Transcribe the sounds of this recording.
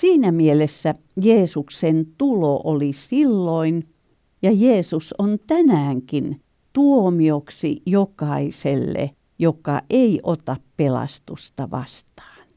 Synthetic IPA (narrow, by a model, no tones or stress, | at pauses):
siːnæmielesːæ | jeːsuksent̪uloʔolisilːoin | jɑjeːsusont̪ænæːŋkin | t̪uomioksḭjokɑiselːḛ | jokɑʔeiʔot̪ɑppelɑ̰st̪ust̪ɑʋɑ̰st̪ɑ̥ːn